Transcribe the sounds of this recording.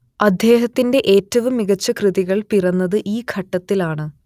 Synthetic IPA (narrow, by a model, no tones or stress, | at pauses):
ɐd̪ʱje̞ːɦɐt̪ːinde̞ʔeːtːɐʋɨmiɣɐt͡ɕːɐkrɨðiɣɐɭpirɐnːɐðɨʔiːkʰɐʈːɐt̪ːilaːɳɨ